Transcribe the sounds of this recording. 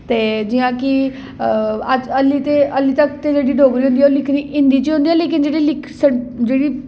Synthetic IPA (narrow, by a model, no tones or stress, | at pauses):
t̪ed͡ʑijãki | aəlit̪eəlit̪əkt̪ed͡ʑeɽiːɖʱoɡɾiɦũnd̪ijalikʰniʔĩnd̪it͡ɕiːɦũnd̪ijãlikind͡ʑeɽilikʰsəɽd͡ʑeɽiː